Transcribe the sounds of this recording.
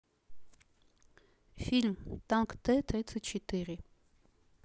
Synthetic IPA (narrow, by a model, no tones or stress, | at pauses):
filmt̪ɑŋkt̪ɛt̪ɾit͡sʰət͡ʃʰɛt̪iɾi